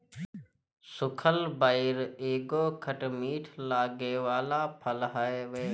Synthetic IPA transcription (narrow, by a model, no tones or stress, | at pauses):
sʊkʰəlbaɪɾeːɡoːkʰəʈmiːʈʰlaːɡeːʋaːlaːpʰəlɦəeʋeː